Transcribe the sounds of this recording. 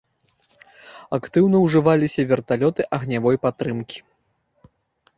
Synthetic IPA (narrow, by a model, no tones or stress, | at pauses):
akt̪ɨwnɐwʐɨvalʲisʲɐvʲɛrt̪alʲɔt̪ɨʔɐɣnʲavɔjpat̪ɾɨmkʲi̥